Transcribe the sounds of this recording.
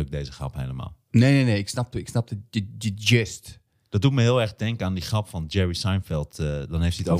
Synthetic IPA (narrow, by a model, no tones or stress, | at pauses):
ək̚dejzəχrɑ̰phejləma̰ːlˠneneneɪksnɑp̚təɪksnɑp̚dəədəd͡ʒɪst | d̥ɔt̚dutməɦɪːlˠɛɹxdɛŋkəaːndiχrɑpfɑnd͡ʒɛɹisajnfɪlˠtdɑnɦejftiəto